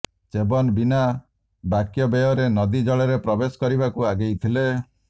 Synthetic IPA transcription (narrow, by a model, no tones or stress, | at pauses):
t͡ʃebɔnbina | bakjɔbejɔɾenɔd̪id͡ʒɔɭeɾepɾɔbesɔ̥kɔɾibakuaɡejt̪ʰile